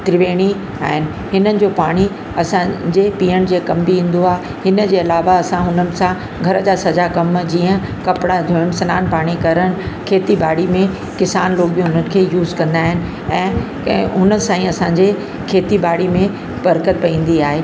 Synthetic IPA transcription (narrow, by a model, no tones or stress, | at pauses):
t̪ɪɾɪʋeːɽ̃i | aaːɦɪnɪ̆ | ɦɪnənɪ̆d͡ʑoːpaːɽ̃i | ɐsãd͡ʑeːpiːəɽ̃d͡ʑeːkɐmbʱiɦĩːn̆d̪oaːɦ | ɦɪnə̆d͡ʑeːɐlaːʋaɐsãɦʊnənɪ̆sã | ɡʱɐɾəd͡ʑaːsɐd͡ʑakɐmd͡ʑiːə̃kɐpɽad̪ʱoːəɽ̃sɐnaːnpaːɽ̃ikɐɾəɽ̃ɪkʰeːt̪ibaːɽ̤imẽ | kɪsaːnloːkbĩɦʊnənɪ̆kʰeːjuːzkɐ̃nd̪aːɦɪnɪ̆ | ɛ̃ː | ɦʊnəsãːĩɐsãɲd͡ʑe | kʰeːt̪ibaːɽimẽ | bɐɾkət̪̚pɐĩːn̆d̪iaːɦeː